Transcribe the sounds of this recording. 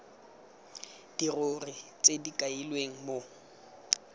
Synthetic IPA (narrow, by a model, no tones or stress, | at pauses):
d̥irʊrit͡sʼedikʼailweŋ̩mo